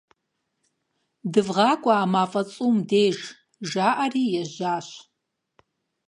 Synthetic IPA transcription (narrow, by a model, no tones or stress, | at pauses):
dɨvʁɑːkʷʼaːmaːfʼɐt͡sʼumdeːʒ | ʒaːʔariːjɛʒaːɕ